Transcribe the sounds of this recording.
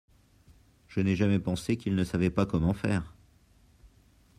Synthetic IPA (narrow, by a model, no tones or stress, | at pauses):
ʒ̥ənɛʒamɛpɑ̃sekʲilnəsavɛpakɔmɑ̃fɛːʁ